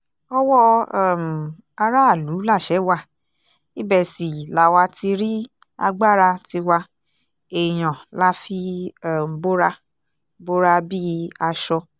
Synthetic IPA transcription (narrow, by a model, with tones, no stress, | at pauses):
ɔ˧wɔ˦˨m̩˨ | a˧ɾa˦˨lu˨˦la˦˨ʃɛ˨˦wa˦˨ | i˦bɛ˦˨si˨la˨wa˧ti˧ɾi˦ | a̰˧ɡ͡ba˦ɾa˧ti˧wa˧ | e˨j̃ã˨la˦fi˧˦˨m̩˨bo˦ɾa˧ | bo˦ɾa˧bi˦a˧ʃɔ˧